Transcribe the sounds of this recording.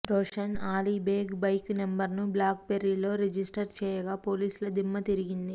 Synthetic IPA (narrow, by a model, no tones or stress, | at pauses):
ɾoːʂɐnaːliːbeːɡbɐjknembɐɾnublaːk̚peɾilo̞ːɾed͡ʒisʈɐɾt͡ʃɛːjɐɡaːpo̞ːliːsulɐd̪imːɐt̪iɾiɡind̪i